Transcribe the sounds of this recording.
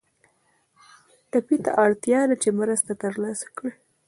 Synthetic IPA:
ʈapit̪a̰ʔɑɽt̪jɑd̪at͡ʃemɾəst̪at̪əɾlɑsḁkɽi

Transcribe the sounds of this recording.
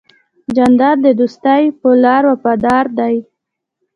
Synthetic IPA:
d͡ʒand̪ɑɾd̪əd̪ust̪ajpəlɑɾwapad̪ɑɾd̪aj

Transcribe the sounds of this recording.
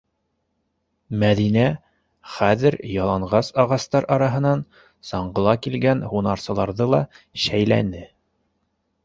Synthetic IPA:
mæðinæ | χæðɘɾjɑlˠɑɴʁɑsɑʁɑst̪ɑɾʔɑɾɑɦɤ̆nɑn | sɑɴɢɤ̆lˠɑkilɡænhunɑɾsɤ̆lˠɑɾðɤlˠɑɕæjlæ̰nɘ

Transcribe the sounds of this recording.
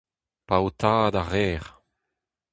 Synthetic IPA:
paot̪ʰaːd̪aʁɛːʁ

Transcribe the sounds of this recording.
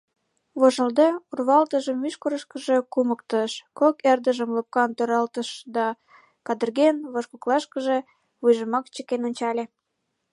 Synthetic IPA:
βoʒə̆ld̪eurβɑlt̪əʒəmvyʃkoɾəʃkə̆ʒĕkumək̚t̪əʃkokerd̪əʒəmləp̚kɑnt̪oɾɑlt̪əʃd̪ɑ | kɑd̪ə̆rɣenβoʃkoklɑʃkəʒe | βujʒəmɑkt͡ɕəkenonʲt͡ɕɑlʲe

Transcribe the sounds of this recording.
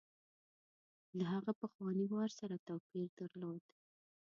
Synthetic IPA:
laɦaɣapəxwɑniwɑɾsaɾat̪awpiɾd̪aɾlod̪

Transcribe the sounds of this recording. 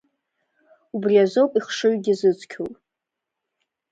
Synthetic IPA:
ubriazopʼiχʂɨɥɡʲɪzɨt͡sʷʰʼkʲʰopʼ

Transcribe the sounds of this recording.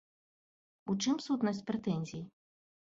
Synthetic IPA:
ut͡ʂɨmsut̪nɐsʲt͡sʲpɾɛt̪ɛnʲzʲiji

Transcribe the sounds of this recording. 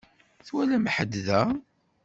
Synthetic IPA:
θwælæmħəd̪ðæ

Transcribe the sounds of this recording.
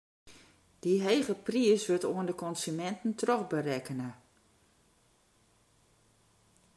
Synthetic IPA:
d̥iɦeːɣəpriəsʋøtoəndəkɔnsymɛntn̩trɔxbərɛkənə

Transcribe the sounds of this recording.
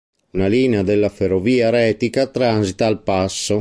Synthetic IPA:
unaliːnead̪elːaferːoviːaɾɛːt̪ikat̪ɾanzit̪aːlpasːo

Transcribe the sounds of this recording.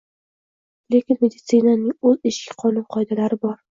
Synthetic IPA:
le̞kʲɪnme̞d̪ɪt̪sɨnanɪŋɵzɪʃkʲɪ̥qʰɒlɪw̪qʰɒjd̪alaɾɪbɒɾ

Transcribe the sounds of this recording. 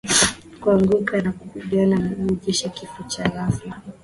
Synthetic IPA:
kuaŋɡukanakuhuɓiananauɾuʄiʃakifut͡ʃaɾafja

